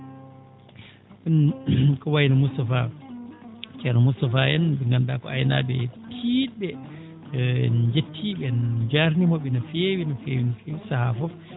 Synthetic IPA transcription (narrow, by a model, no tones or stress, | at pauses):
ɓɛnkɔwajnamustafa | t͡ʃɛnamustafajɛnbɛŋɡandakɔ̰a̰jna̰bɛ̰tʰiɗbɛ | ɛ̰nɲd͡ʒetʰːiɓɛnd͡ʒaɾnimɔɓɛnafewinafewinafewisahafɔf